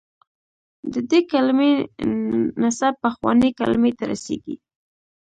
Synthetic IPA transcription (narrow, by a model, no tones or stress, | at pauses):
d̪əd̪ekalme | nasab̚paxwɑ̰nekalmet̪aɾa̰sḛɡḭ